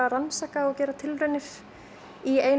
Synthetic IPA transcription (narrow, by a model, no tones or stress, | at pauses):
aransaːkaɔɣcɛːɾat̪ʰɪlɾʏɥnɪɾ | ieːjn